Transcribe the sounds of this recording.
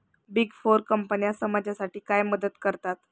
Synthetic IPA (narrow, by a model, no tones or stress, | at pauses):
biɡfoɾkəmpənijasəmad͡ʑjasaʈʰiːkajməd̪ət̪kəɾt̪at̪